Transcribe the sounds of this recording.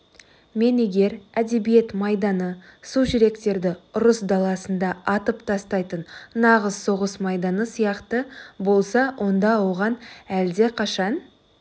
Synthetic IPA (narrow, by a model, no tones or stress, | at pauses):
me̞ne̞ɡʲe̞ɾæd̪e̞bije̞t̪mɑjd̪ɑnəsuʒɪɾe̞kt̪e̞ɾd̪ɪʊɾəsd̪ɑlˠɑsənd̪ɑɑt̪əpt̪ʰɑst̪ɑjt̪ənnɑʁəzso̞ʁəsmɑjd̪ɑnəsijɑqt̪əbo̞lˠsɑwʔo̞nd̪ɑwʁɑnæld̪e̞qʰɑʃɑn